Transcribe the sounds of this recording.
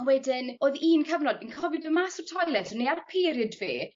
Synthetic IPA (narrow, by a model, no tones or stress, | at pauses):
wɛdɪnoːðiːnkʰəvnɔd̚binkʰɔvɪdəmasʊr̥tʰɔjlˠɛtɔnearpʰiːɾjɨdvḭː